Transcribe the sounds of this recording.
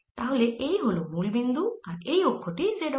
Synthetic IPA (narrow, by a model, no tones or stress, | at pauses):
t̪aɦolɛʔejɦolomulbind̪uaɹejɔkʰːɔʈizɛdɔ